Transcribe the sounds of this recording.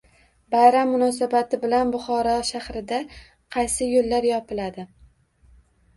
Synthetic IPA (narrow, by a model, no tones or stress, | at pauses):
bajɾamːʊnɒs̬abat̪ʰɪbɪlanbʊχɒɾɒʃahɾɪd̪a | qʰɑjsɪjolːaɾjɒpɪlad̪ɪ